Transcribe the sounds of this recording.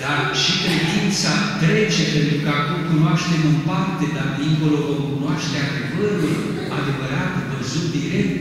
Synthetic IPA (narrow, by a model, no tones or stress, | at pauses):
d̪̥arʃikɾed̪int̪sat̪ɾe̞t͡ʃe̞pe̞nt̪ɾukəakumkunwaʃt̪e̞mɨmpart̪e̞d̪ard̪iŋkolookunoaʃt̪eead̪evəɾulo | a̰d̪e̞vəɾat̪vəzut̪̚d̪iɾek̚t̪